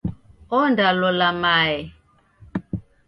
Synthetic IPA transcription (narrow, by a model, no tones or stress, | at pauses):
ɔndalɔlamaɛ